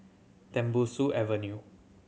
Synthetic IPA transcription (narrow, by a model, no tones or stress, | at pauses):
t̪ɛ̃mbusuʔɛvənju